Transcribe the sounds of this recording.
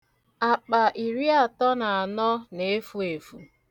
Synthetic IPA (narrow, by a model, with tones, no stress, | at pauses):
a˨k͡pa˨ʔi˨ɾi˦a˨tɔ˦na˨a˨nɔ˦ne˨˦fu˦e˨fu˨